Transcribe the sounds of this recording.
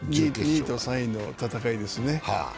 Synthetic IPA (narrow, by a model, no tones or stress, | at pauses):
ɲʲiɲʲiːt̪osãĩnːot̪at̪akaid̪e̞sɨne̞ha̰